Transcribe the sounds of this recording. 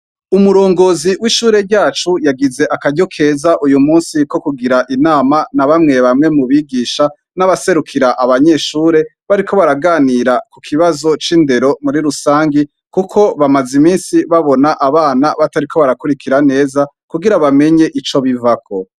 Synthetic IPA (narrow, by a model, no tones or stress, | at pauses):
umuɾo̞ːŋɡo̞ːziwiʃuːɾe̞ɾɟaːt͡ʃujaɡize̞ʔakaɟokʰe̞ːzaʔujumuːnsiko̞kuɡiɾaʔinaːmanaβamŋe̞βamŋe̞muβiɡiːʃa | naβase̞ɾukʰiɾaʔaβaɲe̞ʃuːɾe̞ | βaɾikʰo̞βaɾaɡaːniɾakukʰiβazo̞t͡ʃiːnde̞ɾo̞muɾiɾusaːŋɡi | kukʰo̞βamazimiːnsiβaβo̞naʔaβaːnaβataɾikʰo̞βaɾakuɾikʰiɾane̞ːza | kuɡiɾaβame̞ɲe̞ʔit͡ʃo̞βivakʰo̞